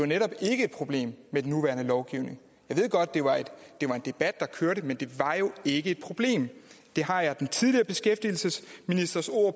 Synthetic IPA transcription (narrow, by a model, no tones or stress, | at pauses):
eɑneɾɒ̽b̥e̝ɡ̥əe̝d̥̚pʰʁo̝b̥le̝̰ːmmed̥enːuʋæɐnəlɒʊɡ̥iʊ̰ne̝ŋ | jɑɪʋe̝ð̞̰ˠɡ̥ɒ̽d̥̚d̥e̝ʋɑ̈ed̥d̥e̝ʋɑ̈e̝nd̥e̝b̥æd̥̚ːɑ̈kʰøɐɾəmend̥e̝ʋɑ̈jo̝e̝ɡ̥əe̝d̥̚pʰʁo̝b̥le̝̰ːmd̥e̝ɦɑ̈jɑ̈d̥ent͡sʰiðˠliɐb̥e̝sɡ̥efd̥il̩səsminisd̥ɐso̝ɐ̰